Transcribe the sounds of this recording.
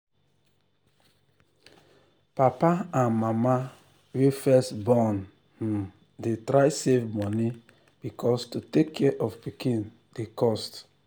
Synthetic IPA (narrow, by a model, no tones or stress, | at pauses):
papaãnmama | wefɛstbɔn | h̩ | detɾaɪsevmɔni | b̥ikʰɔstutekʰːɛʔɔvpikĩn | dekɔst